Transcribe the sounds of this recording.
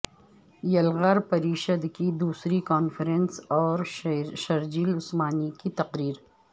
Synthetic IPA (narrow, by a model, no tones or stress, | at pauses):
jɐlɣəɾpɐɾiːʃəd̪kid̪uːsɾikaːnfɾensɔːɾʃɐɾd͡ʒiːlʊsmaːnikit̪ɐqɾiːɾ